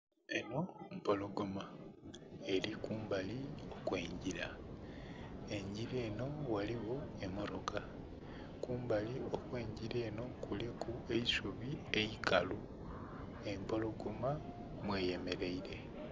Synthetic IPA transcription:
eno̞mpo̞loɡoma | elikuːmbalio̞kwe̞ːɲɟiɾa̰ | e̞ɲɟiɾeːno̞waliɣo̞e̞moɾo̞ka | kuːmbaliokwe̞ːɲɟiɾe̞ːno̞kulekue̞isuβieikalu | e̞mpo̞lo̞ɡoma | mweːje̞me̞ɾe̞iɾe̞

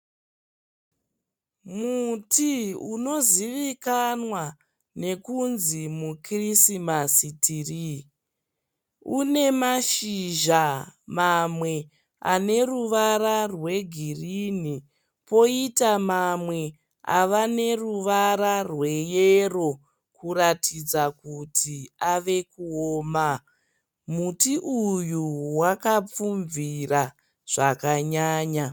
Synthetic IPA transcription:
mutʰiuno̞ziʋikanwa | ne̞kunzimukrisimasitʰiri | une̞maʃiʒamamwe̞ | a̰ne̞ruʋararwe̞ɡʱirini | po̞itamamwe̞ | a̰ʋane̞ruʋaɾarwe̞jero̞ | kuratid͡zakutʰiaʋe̞kuoːma | mutiʔujuwakap͡fuɱvira | ʐ̥akaɲaːɲa

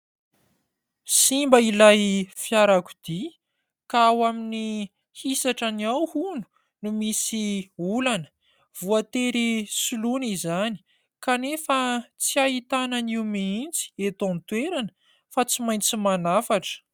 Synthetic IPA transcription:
simbəilajfjaɾaku̥d̪̥i | kaawamini | hisaʈ͡ʂaniawhunu̥ | numisiulanə̥ | v̥uat̪eɾisulunizani̥ | kanefət͡siaɦit̪ananiwmiint͡si̥et̪ont̪weɾanə | fat͡simaj̃nt͡simanafaʈ͡ʂə̥

